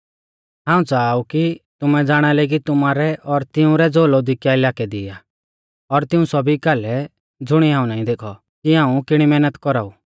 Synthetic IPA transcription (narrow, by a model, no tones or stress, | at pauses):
ɦãːũt͡saːukit̪ʊmɛd͡zaːɽ̃ɛleɡit̪ʊmaːɾɛʔɔɾt̪ɪũɾɛd͡zoːlɔd̪ɪkjaɪlaːkɛd̪ɪa | ɔɾt̪ɪũsɔbʱikaːlɛ | d͡zʊɽ̃iɦãːũnaːĩd̪eːkʰɔ | kiɦãːũkɪɽ̃imɛːnət̪kɔɾaːu